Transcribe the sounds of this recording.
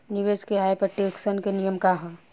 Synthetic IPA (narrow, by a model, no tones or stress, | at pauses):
niʋeːskeaːepɐɾʈeksənkenijəmkaɦã